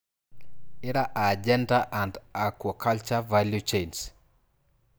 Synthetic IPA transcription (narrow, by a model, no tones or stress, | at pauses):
ɪɾaʔad͡ʒɛndaʔandakwɔkʰalt͡ʃavaljut͡ʃens